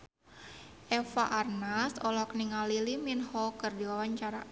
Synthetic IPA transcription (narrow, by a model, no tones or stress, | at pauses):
ʔɛfaʔarnasɔlɔkniŋaliliminhɔkɨrdiwawaɲt͡ʃaɾa